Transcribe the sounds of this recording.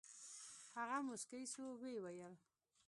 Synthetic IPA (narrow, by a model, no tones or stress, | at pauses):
haɣamʊskajswowewajəl